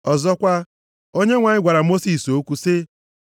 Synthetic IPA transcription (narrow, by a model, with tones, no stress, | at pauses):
ɔ˨zɔ˦kʷa˦ | o˦ɲe˦ŋʷa˨ɲɪ˦ɡʷa˨ɾa˨mo˦si˨so˦kʷu˦se˦